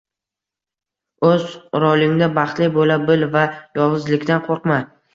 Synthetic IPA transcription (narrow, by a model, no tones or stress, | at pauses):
ɵzɾɒlˠɪŋd̪abɑχt̪lɪbolabɪlvajɒwɨzlɪkʲt̪anqʰoɾqma